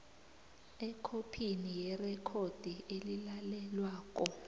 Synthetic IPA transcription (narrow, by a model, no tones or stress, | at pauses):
ɛkʰopʰinijɛrɛkʰod̥ʱielilalɛlwaːk̬ʼɔ